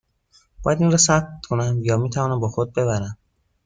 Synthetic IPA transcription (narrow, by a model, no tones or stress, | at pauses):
b̥ɒːjæd̪inɾɒːsæb̚t̪kʰonæmjɒːmiːt̪ʰævɒːnæmbɒːxod̪̚be̞βæɾæm